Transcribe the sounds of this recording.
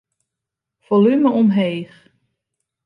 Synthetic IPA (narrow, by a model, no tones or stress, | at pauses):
v̥ɔlyməɔmɦeːχ